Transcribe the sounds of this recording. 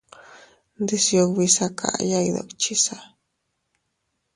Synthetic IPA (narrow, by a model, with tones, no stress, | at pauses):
nd̪i˧sjo˧kβi˧sa˧kʰa̰˨ʔja˧jða̰˨kt͡ʃi˦sa˦